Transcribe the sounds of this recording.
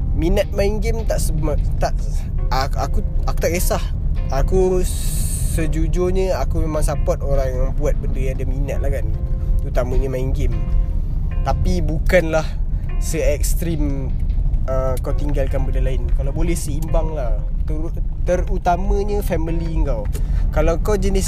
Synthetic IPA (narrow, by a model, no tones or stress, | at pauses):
minət̪̚maiŋɡɪmt̪aʔsəmt̪aʔaakuaku̥t̪akesah | aku | səd͡ʒud͡ʒoɲə̃akumemãŋsapat̪̚oɾaŋjaŋbuat̪̚bəndəjãadaminət̪̚lahkanut̪amə̃ɲəmaiŋɡɪm | t̪apibukanlah | səɛk̚st̪ɾim | əkot̪iŋɡalkanbəndalaɪnkalawbolɛhsəimbaŋlah | t̪ət̪ərut̪amə̃ɲə̃fɛmiliŋkawkalawkawd͡ʒənis